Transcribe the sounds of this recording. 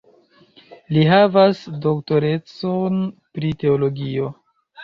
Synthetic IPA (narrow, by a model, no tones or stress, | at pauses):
liɦavasdo̞kto̞ɾe̞t͡sonpɾite̞olo̞ɡio̞